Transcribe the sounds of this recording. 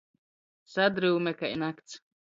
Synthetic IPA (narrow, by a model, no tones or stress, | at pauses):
sad̪ɾɨwmɛkaʔjnakt̪s